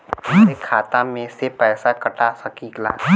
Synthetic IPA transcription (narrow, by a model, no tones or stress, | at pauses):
ekʰaːt̪amẽsepɛːsakɐʈasɐkikla̰ː